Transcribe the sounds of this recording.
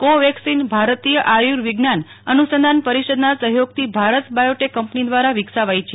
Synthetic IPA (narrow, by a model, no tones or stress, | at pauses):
koʋɛksinbʱaɾt̪ijəʔajuɾʋɪɡnan | ənusənd̪ʱanpəɾiʃəd̪nasəɦjoɡ̚t̪ʰibʱaɾət̪bajoʈekːəmpnid̪ʋaɾaʋɪksaʋajt͡ʃʰe